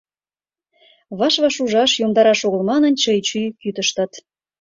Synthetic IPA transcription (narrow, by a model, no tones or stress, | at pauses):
βɑʃβɑʃuʒɑʃjomd̪ɑɾɑʃoɣə̆lmɑnə̆nt͡ɕəjt͡ɕyjkyt̪əʃt̪ət̪